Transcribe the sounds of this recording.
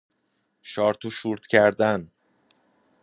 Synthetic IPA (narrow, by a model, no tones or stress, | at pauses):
ʃɒːɾt̪ʰuʃuːɾt̪ʰcʰæɾd̪æn